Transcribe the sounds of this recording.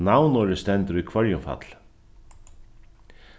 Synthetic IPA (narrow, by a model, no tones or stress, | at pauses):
nawnɔɾɪst̪ɛnt̪əɾujkʰvœɹjʊmfa̰t̪l̥